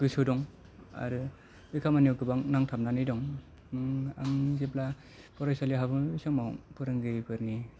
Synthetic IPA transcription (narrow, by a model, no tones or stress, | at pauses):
ɡ̥ɯsɯdɔŋ | a̰ɾɯ | bikʰamaniɔkɯbaŋnaŋtʰamnanidɔŋ | ɯŋaŋzepla | pʰɔɾajsaliɦabɯisɔŋmawpɯɾɯŋɡɯjbɯɾni